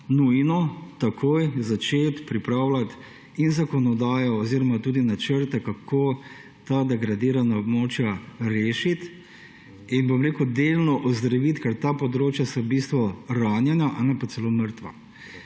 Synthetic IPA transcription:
nujnɔt̪akʰoːjzat͡ʃeːt̪pɾipɾaːwlat̪ | inzakɔnɔd̪aːjɔɔziːɾɔmat̪uːd̪inat͡ʃəɾt̪ɛkakʰoː | t̪ad̪ɛɡɾad̪iːɾanaɔbmoːt͡ʃjaɾeːʃit̪ | inbɔmɾeːkud̪elnɔʔɔzd̪ɾaʋit̪kɛɾt̪apɔd̪ɾoːt͡ʃjasabiːst̪ʋɔɾaːnjɛnjaʔanapat̪sɛloːməɾt̪ʋa̰

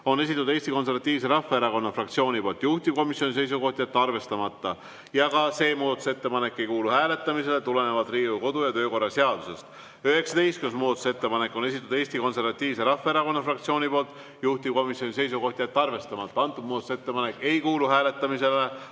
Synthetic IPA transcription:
o̞ne̞s̬ʲit̪ːud̪e̞ːst̪iko̞ns̬e̞ɾvɑt̪ʲːˑiːvse̞ɾɑfːeeɾɑko̞nːɑfrɑkt̪sio̞ːnʲipoːlt̪ːˑjuht̪ib̥̚ko̞misjonis̬e̞js̬uko̞ht̪ʲiet̪ːɑrve̞st̪ɑmɑt̪ːɑ | jɑkɑse̞ːmuːd̪ɑt̪ːˑu̥se̞t̪ːe̞pɑne̞kːe̞jkuːluhæːle̞t̪ˑːɑmise̞le̞t̪ule̞ne̞vɑd̪riːuko̞d̪ujɑt̪ø̞ːko̞rːɑse̞ɑd̪̥use̞st̪ | yhe̞ksɑt̪e̞jst̪kyunsmuːd̪ɑt̪u̥se̞t̪ːe̞pɑne̞kːˑo̞ne̞s̬ʲit̪ːˑud̪eːst̪iko̞nse̞ɾvɑt̪ʲːˑiːvse̞ɾɑfːeeɾɑko̞nːɑfrɑk̚t̪sio̞ːnʲipo̞ːlt̪ːˑ | juht̪i̥ko̞misjo̞nʲise̞jsuko̞ht̪ʲiet̪ːɑrve̞st̪ɑmɑt̪ˑːɑɑnt̪ːˑub̚muːd̪ɑt̪use̞t̪ːe̞pɑne̞kːˑe̞jkuːluɦæːle̞t̪ːˑɑmise̞le

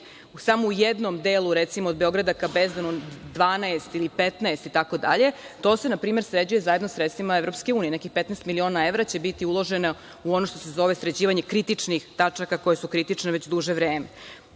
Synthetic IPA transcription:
usamoujed̪nomd̪eluɾet̪simood̪̚beo̞ɡɾad̪akabezd̪anud̪ʋaːnaest̪ilipet̪naest̪it̪ako̞d̪a̰ʎe̞t̪o̞ːse̞napɾiːmeɾsɾed͡ʑuje̞zajed̪nosɾet̪st̪vʋimaevɾo̞pske̞uːnije̞nekixpet̪naɛest̪milio̞ːnae̞ʋɾat͡ɕe̞bit̪iulˠo̞ʒena | uonoʃt̪o̞se̞zo̞ʋe̞sɾed͡ʑiːʋaɲekɾit̪it͡ʂnixt̪at͡ʂakako̞je̞sukɾit̪it͡ʂneʋet͡ɕd̪uʒeʋɾeːme

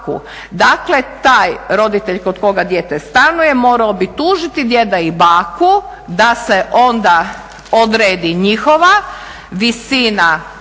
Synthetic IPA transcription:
kṵ | d̪akle̞t̪aːjɾo̞d̪it̪e̞ʎkod̪ko̞ɡad̪jeːt̪est̪anuje̞mo̞ːɾaobit̪uːʒit̪id̪je̞d̪aibaːku | d̪ase̞ʔo̞nd̪a | od̪ɾeːd̪iɲixo̞ʋa | ʋisina

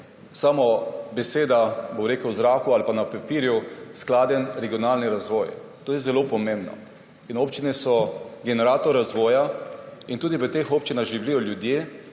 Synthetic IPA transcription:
samobeseːd̪aboɾeːkəwzɾaːkualpanapapiːɾjusklaːd̪jɛnɾɛɡijɔnaːlnɛɾazʋɔːjɛ̰ | t̪oːjɛzɛlopɔmẽmbnɔ̰ | inoːpt͡ʃinɛsɔɡɛnɛɾat̪ɔɾːazʋɔːjaint̪uːd̪iʋət̪eːxoːp̚t͡ʃinaɣʒiwlijɔljud̪jeː

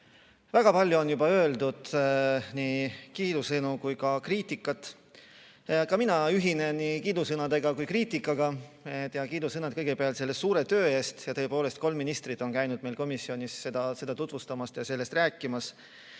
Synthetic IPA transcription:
væɡ̥ɑpɑlʲjuo̞njubɑø̞ːld̪ud̪̥nikiːd̪usɤnukujkɑkriːt̪ˑikːˑɑt̪ːˑ | kɑminɑyɦine̞nnikiːd̪usɤnɑd̪e̞ɡ̥ɑkujkriːt̪ˑikːˑɑɡ̥ɑet̪jɑkiːd̪usɤnɑt̪̚kɤjɡ̥e̞peɑlt̪se̞lːessuːɾe̞t̪ø̞ːe̞ːst̪jɑt̪ɤ̞epoːle̞st̪̚ko̞lmːinist̪rid̪̥ˑo̞nkæjnud̪̥̚me̞jlko̞misːio̞nʲisːed̪ɑse̞d̪ɑt̪ut̪vust̪ɑmɑst̪jɑse̞lːe̞st̪ræːkːˑimɑs

